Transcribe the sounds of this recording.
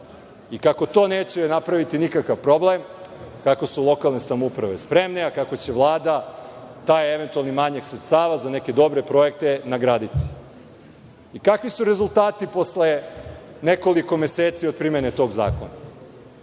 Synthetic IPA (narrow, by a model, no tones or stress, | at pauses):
ikako̞t̪o̞ːneːt͡ɕenapɾaʋit̪inikakaʋpɾo̞blemkakosulˠo̞kalˠne̞samoupɾaʋe̞spɾe̞mneakako̞t͡ɕe̞ʋlˠaːd̪a | t̪ajeeʋe̞nt̪ualˠnimaɲaksɾet̪st̪aːʋazane̞ke̞d̪o̞bɾe̞pɾo̞je̞kt̪e̞naɡɾaːd̪it̪i̥ | ikakʋisuɾe̞zulˠt̪aːt̪ipo̞sle | ne̞ko̞liko̞me̞seːt̪siod̪̚pɾimjenet̪o̞ɡza̰ːko̞̰na